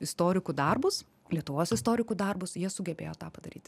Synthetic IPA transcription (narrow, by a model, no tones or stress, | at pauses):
ɪst̪oːɾʲɪkʊd̪ɐrbʊs | lʲiɛt̪ʊʋoːsɪst̪oːɾʲɪkʊd̪ɐrbʊsjiɛsʊɡʲɛbʲḛːjoːt̪ɑːpɐd̪ɐɾʲiːt̪